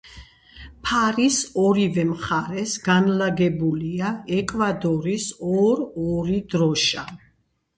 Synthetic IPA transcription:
pʰaɾisɔɾivɛmχaɾɛsɡanlaɡɛbuliaɛkʼvad̪ɔɾisɔɾɔɾid̪ɾɔʃa

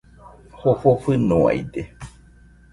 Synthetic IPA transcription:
hofofɨnoa̰jd̪e

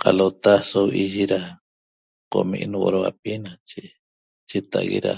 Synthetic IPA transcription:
qalot̪asowʔiʒiɾa | qo̰mḭʔnwo̰ɾowa̰pinat͡ʃe | t͡ʃet̪aʔɣḛɾa̰

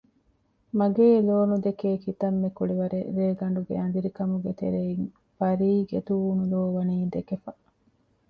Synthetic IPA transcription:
mɐɡeːloːnud̪ekeːkit̪ɐmːekuɭiʋɐɾeɾeːɡɐɳ̆ɖuɡḛɐnd̪iɾikɐmuɡet̪ḛɾeiŋ | fɐɾiːɡet̪uuːnuloːʋɐniːd̪ekefɐ

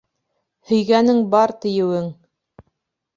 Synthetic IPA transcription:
hɵ̆jɡænɘŋbɑɾt̪ɘ̆jɘ̆wɘŋ

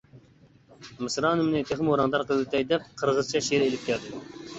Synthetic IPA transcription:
mɨsɾɑːnɨmnɨt̪ʰeχmoɾɑŋd̪ɑɾqəlˠt̪ʰɛjd̪ɛp̚qʰəɾʁəzt͡ʃʰɑʃeɾelɪp̚kʲʰɛɾd̪ɨ

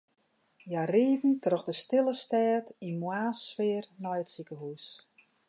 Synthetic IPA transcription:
jariːdn̩trɔxdəstɪlˠəstɛːtinmwaːsʋɪərnɔjətsikəɦus

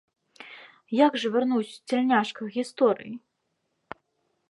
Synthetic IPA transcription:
jaɡʐɐvʲɛrnuwsʲt͡sʲɛlʲnʲaʂkɐxɣʲist̪ɔɾɨ̰ji

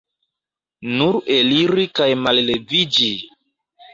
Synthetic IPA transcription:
nuɾeliɾikajmalle̞vid͡ʒi

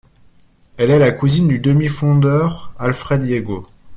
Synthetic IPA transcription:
ɛlɛlakuzind̪yd̪əmifɔ̃d̪œʁalfχɛd̪jeɡo

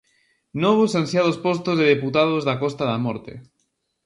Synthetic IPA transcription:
noβosansjaðospɔst̪ozðeðeput̪aðozðakɔst̪aðamɔɾt̪ḛ

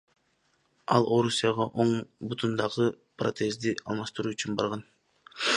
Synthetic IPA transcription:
ɑlˠʔo̞ɾusʲijɑʁɑʔo̞ɴbut̪ʰund̪ɑʁɯ | prot̪e̞zd̪iʔɑlˠmɑʃt̪ɯɾuːyt͡ʃynbɑ̰ɾʁɑn

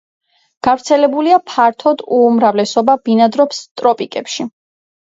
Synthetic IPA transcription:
ɡ̥avɾt̪sʰɛlɛbuliapʰaɾt̪ʰɔd̪umɾavlɛsɔbabinad̪ɾɔpst̪ʼɾɔpʼikʼɛpʃi

